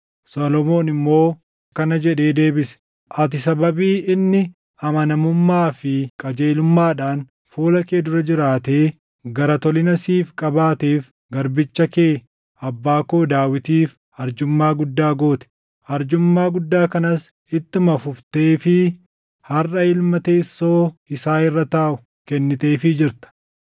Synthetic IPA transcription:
solɔmo̞ːnɪmːo̞ː | kɐnɐd͡ʒɛᶑe̞ːd̪e̞ːbɪsɛ̥ | ʔɐt̪ɪsɐbɐbiːʔɪnːɪ | ɐmɐnɐmʊmːaːfɪkʼɐd͡ʒe̞ːlʊmːaːᶑaːn | fuːlɐkeːd̪ʊɾɐd͡ʒɪɾaːt̪eː | ɡɐɾɐt̪ɔlɪnɐsiːfkʼɐbaːt̪eːf | ɡɐɾbɪt͡ʃːɐkeː | ɐbːaːko̞ːd̪aːwɪt̪iːf | hɐɾd͡ʒʊmːaːɡʊd̪ːaːɡo̞ːt̪ɛ̥ | hɐɾd͡ʒʊmːaːɡʊd̪ːaːkɐnɐs | ɪt̪ːɪmɐfʊft̪e̞ːfɪ | hɐrʔɐɪlmɐt̪eːsːo̞ːɪsaːɪrːɐt̪aːʔʊ̥ | kɛnːɪt̪e̞ːfɪd͡ʒɪɾt̪ɐ̥

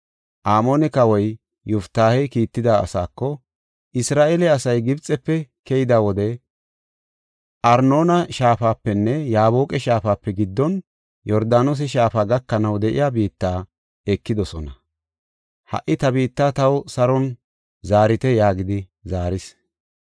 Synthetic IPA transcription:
ʔaːmoːnɛkɐwɔj | jʊft̪ːaːhɛjkiːt̪ːɪd̪aːɐ̰saːkːɔ | ʔɪsɾaːʔelɛɐsɐjɡɪbt͡sʼːɛpːɛkɛjɪd̪aːwɔd̪ɛ | ʔɐɾno̞ːnɐʃaːfaːpːɛnːɛjaːβoːkʼɛʃaːfaːpːɛɡɪd̪ːɔn | jɔɾd̪aːnos̬ɛʃ̬aːfaːɡɐkːɐnɐwd̪ɛʔɪ̰jaːbiːt̪ːaː | ɛkːɪd̪ɔsɔnɐ | hɐ̰ʔːɪt̪ɐbiːt̪ːaːt̪ɐwsɐɾɔn | zaːɾɪt̪ɛjaːɡɪd̪ɪ | zaːɾɪs

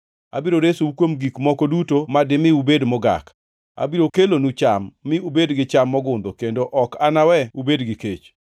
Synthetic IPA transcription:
a̰biɾoɾesoukwomɡikmɔkodutomadɪmɪubedmɔɡa̰k | a̰biɾokelonut͡ʃamːɪubedɡɪt͡ʃamːɔɡʊnd̪okendoʔɔkanawɛubedɡɪket͡ʃ

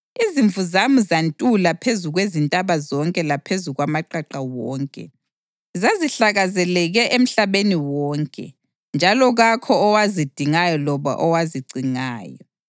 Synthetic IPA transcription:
iziɱvuzamuzantʼulapʰezuɣwezintʼaβazɔŋkʼɛlapʰezuɣwamaǃaǃawɔːŋkʼɛ̰ | zaziɬaɣazɛlɛɣɛʔem̩ɬaβeniwɔːŋkʼɛ̰ | nd͡ʒʱalɔɣakʰɔːwazid̥ʱiŋajɔlɔβa̰ʔɔwaziɡ͡ǀʱiŋa̰ːjɔ

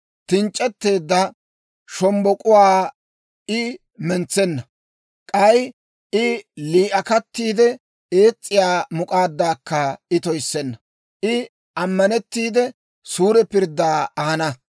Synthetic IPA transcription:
t̪ɪnt͡ʃʼːɛt̪ːe̞ːd̪ːɐ | ʃɔmbɔkʼʊwaː | ɪ | mɛnt͡sɛnːɐ | kʼɐj | ɪliːʔɐkɐt̪ːiːd̪ɛ | eːt͡sʼːɪjaːmʊkʼaːd̪ːaːkːɐɪt̪ɔjsːɛnːɐ | ʔɪ | ʔɐmːɐnɛt̪ːiːd̪ɛ | suːɾɛpɪɾd̪ːaːɐhɐnɐ

